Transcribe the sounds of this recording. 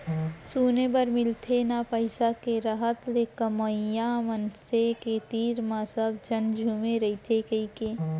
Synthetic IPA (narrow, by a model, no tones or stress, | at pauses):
suːnebəɾmɪlt̪ʰenapəɪsakeɾəɦət̪lekəməjamənt͡ʃt̪ʰeket̪iːɾmãsəbd͡ʒənd͡ʒʱuːmeɾəit̪ʰekəikeː